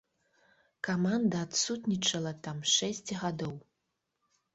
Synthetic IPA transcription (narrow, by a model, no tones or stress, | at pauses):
kamand̪ɐːt̪sut̪nʲit͡ʂɐlˠɐt̪amʂɛsʲt͡sʲɣad̪ɔw